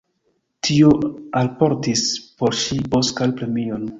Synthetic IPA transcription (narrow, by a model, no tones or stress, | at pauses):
tʰio̞alpo̞ɾtispo̞ɾʃibo̞skalpɾe̞mion